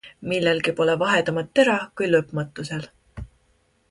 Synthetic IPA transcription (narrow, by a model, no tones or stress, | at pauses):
milːe̞lkipo̞le̞vɑɦe̞d̪ɑmɑt̪ːe̞ɾɑkujlɤpːmɑt̪ːˑuse̞l